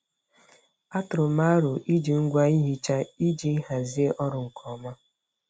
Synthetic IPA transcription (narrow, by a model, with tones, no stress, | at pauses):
a˦tʊ˨ɾʊ˨ma˦ɾʊ˨ʔi˦d͡ʒi˨ŋ̩˦ɡʷa˦i˦ɦi˦t͡ʃa˦i˦d͡ʒi˦ɦa˨zi˦e˦ʔɔ˦ɾʊ˨ŋ̩˨kʰɔ˨ma˦